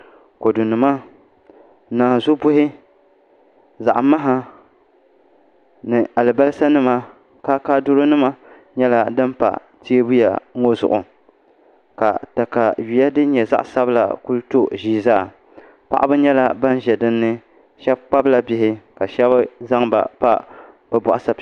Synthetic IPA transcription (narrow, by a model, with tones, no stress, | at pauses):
ko˨du˨nɨ˨ma˦ | naː˨zo˦bʊ˦ɦɪ˦ | za˨ʔma˦ɦa˦ | nɨ˨a˨lɨ˨ba˦lsa˦nɨ˦ma˦ | kaː˦kaː˦dʊ˦ɾo˦nɨ˦ma˦ | ɲɛ˦la˦dɨ˦m˦pa̰˨ | ti˦e˦bu˦ja̰˨˦o˦zʊ̰˨ʔʊ̰˨ | ka̰˨ta˨ka˨ɥi˨ja˦dɨ˦ɲɛ˨za̰˦ʔsa˦bɨ˦la̰˨ku˦lto˦ʒiː˦˨zaː˦˨ | pa˦ʔa˦bɨ˦ɲɛ˦la˦ba˦n˦ʒɛ˨dɨ˦nːɨ˦ | ʃɛ˦b̚k͡pa˦bla˦bɪ˨ɦɪ˦ka˨ʃɛ˦ba˦za˦ŋba̰˨pa˦ | bɛ˨bʊ˨ʔa˨sa˦